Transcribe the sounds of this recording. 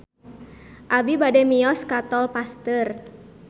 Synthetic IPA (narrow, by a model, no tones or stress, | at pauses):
ʔabibadɛmiɔskat̪ɔlpast̪ər